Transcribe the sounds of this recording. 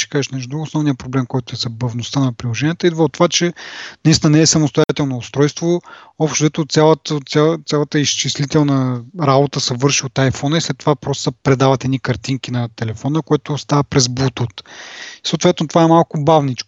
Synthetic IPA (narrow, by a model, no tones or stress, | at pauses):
ʃɛ̥kaʒɛʃnɛʒud̪ɾuɡʊosnɔvnijəpɾoblɛmkɔjt̪ʊɛzɐbɐvnost̪ənɐpɾilˠoʒɛnijət̪əid̪vəot̪ovat͡ʃɛnɐist̪inənɛːsɐmost̪ojat̪ɛlˠnoːst̪ɾɔjst̪voɔpʃt̪od̪ɛt̪ot̪sʲjalˠət̪sʲat̪sʲjalˠət̪əiʃt͡ʃislit̪ɛlˠnəɾabot̪əsɛvɤɾʃiot̪ajfɔnəislɛt̪ːo̥vapɾɔst̪o̥sɛpɾɛd̪avɐt̪ɛd̪nikɐɾt̪iŋk̟inɐt̪ɛlɛfɔnəkoɛt̪ʊst̪avəpɾɛzbut̪ut̪isoːt̪vɛt̪not̪ovaɛmalˠkʊbavnit͡ʃkʊ̥